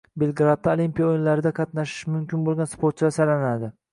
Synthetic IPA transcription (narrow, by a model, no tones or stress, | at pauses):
belˠɡɾat̪̚ːaolˠimpʲijaojɪnlaɾɪd̪aqʰɑt̪naʃɪ̥ʃmʊmkʲɪnbolˠɡʲanspoɾt̪̚t͡ʃʰlaɾsalanad̪ɪ